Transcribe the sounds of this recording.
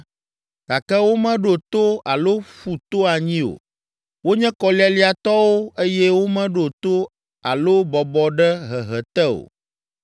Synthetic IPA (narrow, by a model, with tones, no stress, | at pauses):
ɡ̥a˨kɛ˦wo˦mɛ̃˦ɖo˨t̪o˦a˨lo˦fu˨t̪o˦a˨ɲĩ˦o̰˨ | wo˦ɲɛ̃˦kɔ˨li˦a˨li˦a˨t̪ɔ˦wo˦e˦jɛ˦wo˦mɛ̃˦ɖo˨t̪o˦ | a̰˨lo˦bɔ˨bɔ˦ɖɛ˦ɦɛ˨ɦɛ˨t̪ɛ˦o̰˨